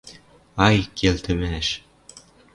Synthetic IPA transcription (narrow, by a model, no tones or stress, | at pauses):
ɑjkʰelt̪ɘ̆mæʃ